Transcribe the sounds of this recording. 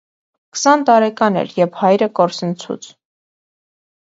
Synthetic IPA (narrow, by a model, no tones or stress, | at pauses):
kə̥sɑnt̪ɑɾɛkɑnɛ̰ɾjɛvhɑjɾəkɔɾsənt͡sʰṵt͡sʰ